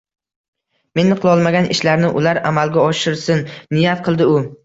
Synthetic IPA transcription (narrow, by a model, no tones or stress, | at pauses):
me̞nːɨqʰlˠɒlˠmaɡʲanɪʃlaɾnɪʔʊlaɾamalɡʲaɒʃɪɾsɪnːɪjat̪̚qʰɨlˠd̪ɪʊ